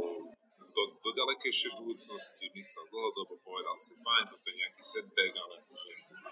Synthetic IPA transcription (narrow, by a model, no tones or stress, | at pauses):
d̪ɔd̪ɔɟalɛkɛjʃɪɛjbud̪uːt͡snɔscimisad̪l̩ɦɔd̪ɔbɔpɔʋɛd̪aasifajnt̪ɔt̪ɔjɛɲɛakisɛd̪̚bɛɡalɛmɔʒɛ